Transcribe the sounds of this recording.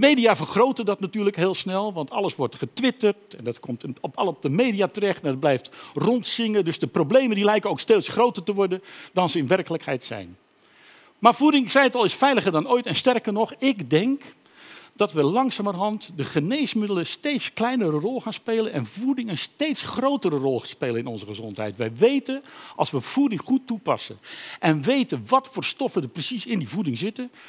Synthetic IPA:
əmejdijaːvərχrowtəndɑtnatyːɹləkɦeːlˠsnɛlˠʋɑntʰɑ̰ləsʋɔɹtχətʋɪtərtɛndɑtkɔmtɔplɔp̚dəmejdiaːtərɛχtɛndəd̚blɛjftrɔntsɪŋədɵzdəprowblejməndilɛjkənowksteːtsχrowtərtəʋɔɹdəndɑnzəɪnʋɛrkələkhɛ̰jtsɛ̰jn | maːɹvudɪŋsɛjətɑlˠɪsfɛjləχərdɑnoːjtɛnstɛrkənɔχɪɡdɛŋk | d̥ɑtʋəlɑŋsaːmərɦɑntdəχənejsmɪdələstejtsklɛjnəɾərɔlˠχaːnspeːlənɛnvudɪŋənstejtsχrowtəɾərɔlˠχspeːlənɪnɔnzəχəzɔntɦɛ̰jtʋɛjʋejtənʔɑlˠsʋəv̥udɪŋχutːupɑ̰sə̰nʔɛnʋejtənʋɑtfʊːɹstɔfədəprəsisɪndivudɪŋzɪtən

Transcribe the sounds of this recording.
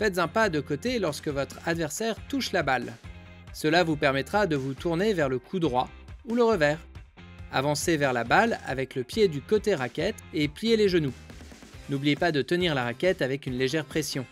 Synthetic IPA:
fɛt̪zɛ̃pad̪əkot̪elɔʁskəvɔt̪χad̪vɛʁsɛʁt̪uʃlabal | səlavupɛʁmɛt̪χad̪əvut̪uʁnevɛʁləkʰud̪ʁwa | uləʁəvɛːʁ | a̰vɑ̃sevɛʁlabala̰vɛkləpjed̪ykot̪eʁakʲɛt̪eplijeleʒənu | nublijepad̪ət̪əniʁlaʁakʲɛt̪avɛkʲynleʒɛʁpχesjɔ̃

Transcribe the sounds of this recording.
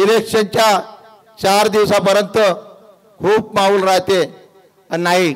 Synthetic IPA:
ilekʂənt͡ɕja | t͡ɕaɾd̪iʋsapəɾjənt̪ə | kʰuːp̚mauːlɾaɦt̪e | anːaɦi

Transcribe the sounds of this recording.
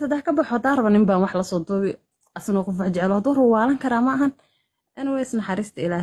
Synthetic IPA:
sɐd̪aːhkʰɐbɐħɔd̪aːrɐβɐnɪmbaːnwɑħlɐsɔːd̪ʊːβɪ | ɐsnɔqʊfɑħt͡ʃɛʕɛlɔhɐd̪uːrʊːwaːlɐŋkʰɐɾaːmɐːɦɐn | ʔɛnɪwɛɪsnɐħɑɾiːst̪ʰɐɪlaːh

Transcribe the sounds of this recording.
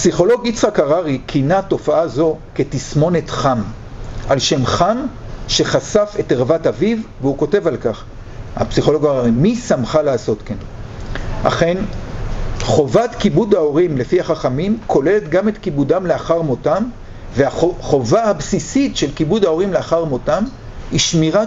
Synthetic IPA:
psiχo̞lo̞ɡit͡sʁakaʁaʁikʰinato̞faazo̞ke̞tismo̞net̪χam | ʔalʃe̞mχam | ʃe̞χasafe̞teʁvatavivveuko̞te̞valkaχ | ha̰psiχo̞lo̞ɡaʁaʁimisamχaleaːso̞tken | ʔa̰χe̞n | χo̞vatkibudao̞ʁimle̞fiaχaχamimkʰo̞le̞le̞tɡame̞tkibudamle̞aχaʁmotam | veaχo̞vahabsisitʃe̞lkibudao̞ʁimleaχaʁmo̞tam | iʃmiʁa

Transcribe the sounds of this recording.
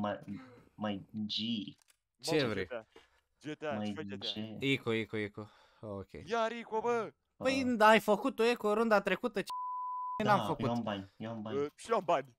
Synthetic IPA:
amajnd͡ʒi | t͡ʃevɾḛ | majt͡ʃeikoikoiko | okʲʰḛjaɾikobə | pəjnd̪ajfəkut̪ojekoɾund̪at̪ɾekut̪ət͡ʃjnamfəkutabaɲjeambaɲʃiõmbaɲ

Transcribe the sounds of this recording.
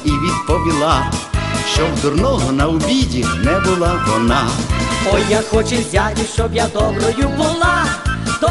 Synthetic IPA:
iʋʲid̪pɔʋʲilˠa | ʃt͡ʃɔwd̪ʊrnɔɦɔnɐʊbʲidʲinɛbʊlˠaʋɔ̰nɑɔjːaxɔt͡ʃɪzʲat̪ʲɪʃt͡ʃɔbjad̪ɔbɾɔjʊbʊlˠat̪ɔ

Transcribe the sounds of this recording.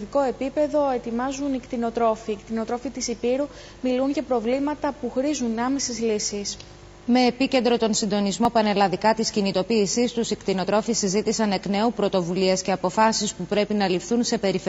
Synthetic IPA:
ðiko̞e̞pipe̞ðo̞e̞t̪imɐzunikt̪ino̞t̪ɾo̞fiːkt̪ino̞t̪ɾo̞fit̪isipiɾu | milunʝɐpɾo̞vlimɐt̪ɐpuxɾizunɐme̞sezlisis | me̞ːpice̞nd̪ɾo̞t̪o̞nsind̪o̞nizmo̞pɐne̞lɐnðikɐt̪iscinit̪o̞piːsist̪usikt̪ino̞t̪ɾo̞fisːizit̪isɐne̞kne̞upɾo̞t̪o̞vulie̞sce̞ɐpo̞fɐsispupɾe̞pinɐlifθunse̞pe̞ɾife

